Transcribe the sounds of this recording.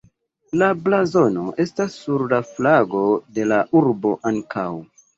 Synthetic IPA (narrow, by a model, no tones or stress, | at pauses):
lablazo̞no̞ʔe̞stasːuɾlaflaɡo̞de̞laʔuɾbo̞ʔaŋkʰaw